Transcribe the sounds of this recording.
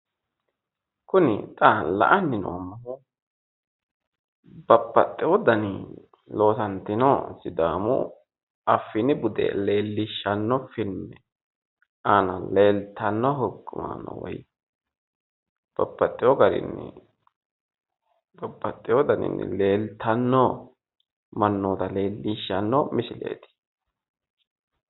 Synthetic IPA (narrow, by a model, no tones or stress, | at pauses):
kʊnɪ̰t̪ʼalɐ̰ʔɐnːɪno̰ːmːɐhʊ | bɐpːɐt̪ʼːɪwɔd̪ɐnɪ | lo̞ːsɐnt̪ːɪnɔsɪd̪aːmʊ̰ | ɐfːɪnɪbʊd̪ɛ̰le̞ːlːɪʃːɐnːɔfɪlmɛ | anɐle̞ːlt̪ːɐnːɔɦɔkːʊma̰nɔ̰wɔ̰j | b̥ɐbːɐt̪ʼːɪjɔɡɐɾɪ̰nːɪ̰ | b̥ɐbːɐt̪ʼːɪjɔd̪ɐnɪ̰nːɪ̰le̞ːlt̪ʰːɐnːɔ | mɐnːoːt̪ɐle̞ːlːiʃːɐnːɔmɪsɪlḛːt̪ɪ̥